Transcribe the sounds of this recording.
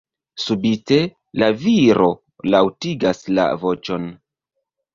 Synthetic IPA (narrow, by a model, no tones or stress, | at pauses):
subite̞ | laviɾo̞ | lawtiɡasla̰vo̞t͡ʃo̞n